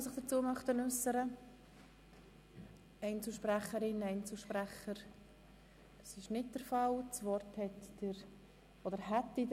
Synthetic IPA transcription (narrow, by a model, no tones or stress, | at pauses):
os̬ɪχd̥əɾt͡suːmœχtənʉsəɾə | ɛɪnt͡sl̩ʃpɾæχəɾɪnɛɪnt͡sl̩ʃpɾæχəɾ | d̥ɑsɪʃnɪt̚d̥əɾfɑlt͡svɔɾthɛtd̥əɾ | odəɾɦɛtːid